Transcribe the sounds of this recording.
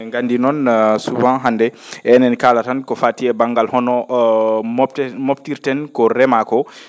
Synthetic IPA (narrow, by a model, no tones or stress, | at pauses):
ŋɡandinɔnsubãɦandɛʔɛnɛnkalatankɔfaːtiɛbaŋɡalhɔnɔ | moptiɾtɛnkɔɾɛmakɔ